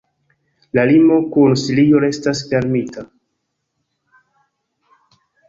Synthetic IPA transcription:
lalimo̞kunsilio̞ɾe̞stasfe̞ɾmita

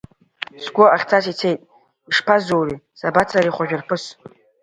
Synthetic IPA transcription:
sɡʷoaχʲt͡sʰasit͡sʰejtʼ | iʂpʰazowrisabat͡sʰaɾiχʷaʒᶣɨrpʰɨs

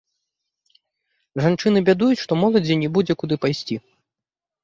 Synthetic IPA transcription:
ʐant͡ʂɨnɨbʲad̪ujut͡sʲʂt̪ɔmɔlˠɐd͡zʲinʲɛbud͡zʲɛkud̪ɨpajsʲt͡sʲi

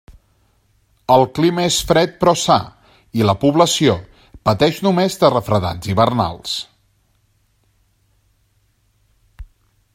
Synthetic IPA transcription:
əlˠkliməesfɾɛt̪̚pɾɔsa̰ | iləpuβləsio | pət̪ɛʃnumezðərəfɾəða̰nd͡ziβərna̰lˠs

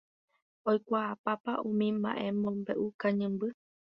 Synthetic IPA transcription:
ojkʷaapapaʔũmĩmba̰ʔẽ̞mõmbe̞ʔukãɲɨ̃mbɨ

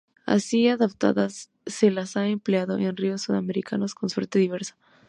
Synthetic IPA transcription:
a̰siaðapt̪a̰ðasː | e̞lasaempleaðo̞̰ʔenrio̞sːuðameɾikʰano̞sko̞nswe̞ɾt̪e̞ðiβ̞e̞ɾsḁ

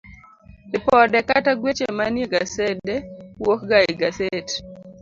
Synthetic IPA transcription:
ɪpɔdɛkataɡwet͡ʃemanjeɡasɛdewokɡaɪɡaset

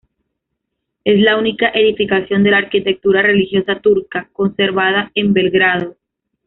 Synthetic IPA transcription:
e̞slaunikaʔe̞ðifikasjo̞nd̪e̞laːɾkit̪e̞k̚t̪uɾare̞lixjo̞sat̪uɾkako̞nse̞ɾβaðae̞mbe̞lɣɾaðo̞

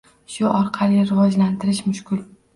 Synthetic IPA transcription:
ʃʊʔɒɾqʰɑlɪɾɪvɒd͡ʒlant̪ʰɪɾɪʃmʊʃkʰʊl

